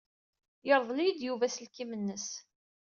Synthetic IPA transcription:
jəɾˤðˤlijəd̪juvæsəlkimənːəs

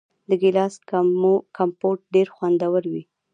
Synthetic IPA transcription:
d̪əɡɪlɑskkʰampoʈ̚ɖeɾxwand̪awəɾwi

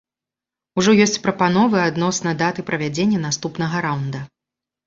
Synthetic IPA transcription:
uʐɔjɔsʲt͡sʲpɾɐpanɔvɨad̪nɔsnɐd̪at̪ɨpɾɐvʲad͡zʲenʲːɐnast̪upnɐɣɐɾawnd̪ɐ

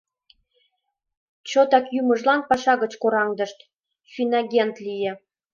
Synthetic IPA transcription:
t͡ɕot̪ɑkjymə̆ʒlɑnpɑʃɑɣə̆t͡ɕkoɾɑŋd̪ɤ̆ʃt̪ | fʲinɑɡʲent̪lʲijĕ

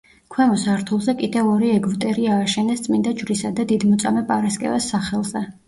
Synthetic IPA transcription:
kʰwɛmɔsaɾt̪ʰulˠzɛkʼid̪ɛvɔɾiɛɡut̪ʼɛɾiaːʃɛnɛst̪sʼmind̪ad͡ʒvɾisad̪ad̪id̪mɔt̪sʼamɛpʼaɾaskʼɛ̰vɛsːaχɛlˠz̥ɛ

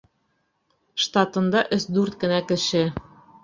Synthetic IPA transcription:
ʃt̪ɑt̪ɤ̆nd̪ɑʔɘ̆sd̪uɾt̪̚kɘ̆nækɘ̆ʃɘ̆

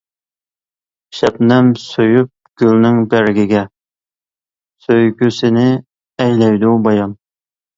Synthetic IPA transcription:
ʃɛpnɛmsøjyp̚ɡ̥ʲylnɪŋbæɾɡʲiɡʲɛ | søjɡʲøsɪnɪ | ɛjlɛjd̪ubɑjɑn

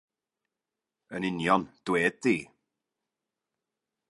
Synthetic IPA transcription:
ənɪnjɔnd̥weːd̪̚ðiː

